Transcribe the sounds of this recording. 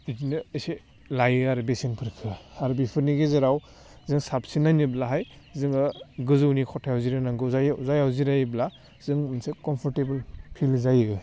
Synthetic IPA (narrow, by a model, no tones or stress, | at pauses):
zinɯːjse | lajɯaɾɯbesenpʰɯɾkʰɯaɾɯbipʰɯɾniɡezɐɾaw | zɯŋsap̚sinajniblaɦaj | zɯŋɯɡɯzɯwnikʰɔtʰajawziɾanaŋɡɯzajzajawziɾajbla | z̥ɯŋmnsekɔmpʰɔɾtebɯlpʰilzajɯɯ